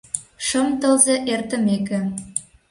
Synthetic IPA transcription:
ʃɤ̆mt̪ɤ̆lzeʔert̪ɘ̆mekɘ̆

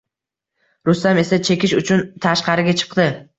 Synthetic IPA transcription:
ɾʊst̪ame̞sat͡ʃʰe̞kʲɪʃʊt͡ʃʰʊnt̪ʰaʃqɑɾɪɡʲat͡ʃʰɨ̥qd̪ɪ

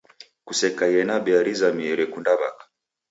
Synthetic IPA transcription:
kusɛkajɛnabɛaɾizamiɛɾɛkundaβa̰kḁ

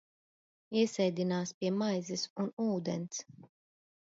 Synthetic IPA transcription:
iɛsɛjd̪ʲinaːspʲiɛmajzɛsunuːd̪ɛns

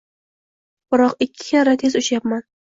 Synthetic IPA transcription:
b̥ɪɾɒqɪkʲʰːɪ̥kʰʲaɾat̪ʰezʊʃjapman

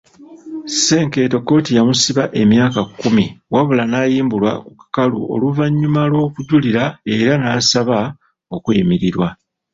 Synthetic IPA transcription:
se̞ːŋke̞ːto̞kːo̞tijamusiβaʔe̞mjaːkakːumiwaβulanaːjiːmbulwa̰kukḁkalṵo̞̰luvaɲːumalwo̞ːkuɟuliɾae̞ɾanaːsaβa | o̞kwiːmiɾiɾwa

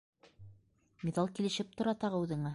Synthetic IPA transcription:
mʲeðɑlˠkilɘ̆ʃɘp̚t̪ŏɾɑt̪ɑʁɤʉðɘ̆ɴɑ

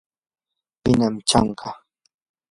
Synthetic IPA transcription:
pɪnamt͡ʃɑ̰ɴɢɑ

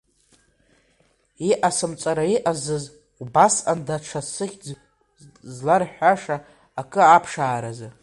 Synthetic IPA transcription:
iʔasɨmt͡sʼaɾaiʔazɨz | ɡ̥ʷbasandaʈ͡ʂʰasɨχʲd͡z | zlarħʷᶣaʂaː | kʼɨapʰʂaːɾazɨ

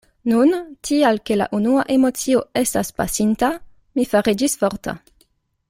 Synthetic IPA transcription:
nuntʰialkela̰ʔunuaʔemot͡sioestaspa̰sint̪a | mifaʁid͡ʒisfoʁt̪a̰

